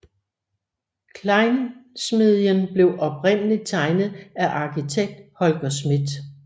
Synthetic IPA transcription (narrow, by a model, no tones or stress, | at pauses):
kʰlɑ̈ɪnsmiðˠjənb̥le̝ʊʔɒ̽p̚ʁen̰əlid̚t͡sʰɑ̈ɪnð̩ˠæʔɑ̈kʰit͡sʰeɡ̥̚d̥hɒ̽lɡ̥ɐsmid̥